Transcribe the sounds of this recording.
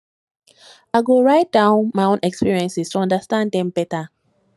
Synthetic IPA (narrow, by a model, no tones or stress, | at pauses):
aɪɡoɹaɪt̚d̥ãʊ̃nmaɪõnɛkspiɹiɛ̃nsistʰuɔ̃ndastãndɛ̃mbɛta